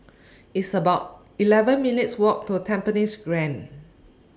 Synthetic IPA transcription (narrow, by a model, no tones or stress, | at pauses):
itsəbaʊt̚ | ilɛvə̃nminitswɔk̚tutʰɛ̃mpənisɡɹɛ̃n